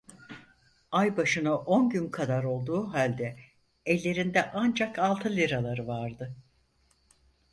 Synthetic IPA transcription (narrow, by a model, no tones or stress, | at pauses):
ajbaʃɯnɯʔo̞nɟynkʰad̪aɾo̞lˠd̪uːɦalʲd̪ɛ | ɛlʲːe̞ɾind̪ɛʔand͡ʒakalˠt̪ʰɯlʲiɾalˠaɾɯvaɾd̪ɯ